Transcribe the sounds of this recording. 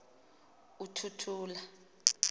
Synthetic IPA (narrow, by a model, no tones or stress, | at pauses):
utʰutʰuːla